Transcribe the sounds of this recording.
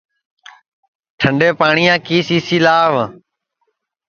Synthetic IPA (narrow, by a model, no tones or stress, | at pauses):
ʈʰəɳɖeːpaːɳiːãːkiːsiːsiːlaːʋ